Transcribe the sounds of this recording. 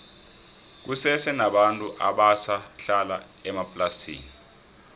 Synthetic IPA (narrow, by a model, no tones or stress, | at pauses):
k̬usɛsɛnaɓantʼuʔaɓasaɬala̰ | ɛmapʼlasḭːni